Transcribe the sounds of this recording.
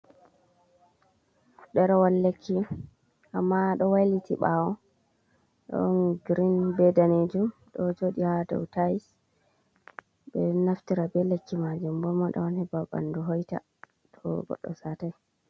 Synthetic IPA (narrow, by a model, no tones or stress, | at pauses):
uɗɛɾawalːekʰːi | ʔamːaɗɔwajlitiɓawɔ | ɗɔ̰nɡɾinbɛdaned͡ʒumɗɔd͡ʒoːɗihadɔ̰wtajis | bɛnaftiɾabɛlekːimad͡ʒumbɔmaɗɔ̰wanhɛbaba̰nduɦɔjta̰ | tʰɔ̰ɡɔ̰ɗːɔ̰sataj